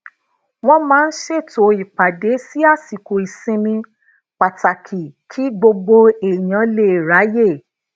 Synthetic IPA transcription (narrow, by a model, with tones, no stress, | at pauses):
w̃ɔ̃˧mãː˦˧n̩˦ʃe˦˨to˨i˨k͡pa˨de˨˦si˦a˦˨si˨ko˨i˨sĩ˧mĩ˧ | k͡pa˨ta˨kʰi˨kʰi˨˦ɡ͡bo˧ɡ͡bo˧e˨j̃ã˨˦le˦˨ɾa˨˦je˦˨